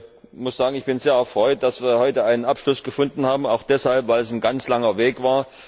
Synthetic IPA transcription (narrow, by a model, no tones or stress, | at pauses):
mʊsz̥aːɡŋ̩ɪçb̥ɪnzeːɐɛɐfʁ̥ɔʏt̚d̥asv̥iːɐhɔʏtəaɪnənʔapʃlʊsɡ̥əfʊndn̩haːbm̩aʊxd̥ɛshalpvaɪlɛsnɡant͡slaŋɐveːkv̥aːɐ